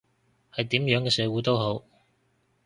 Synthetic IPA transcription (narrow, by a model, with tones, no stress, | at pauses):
hɐ˨jt̪iː˨˥mjœː˨˥ŋkɛː˧sɛː˨˧wuː˨˥t̪o˥wɦo˨˥w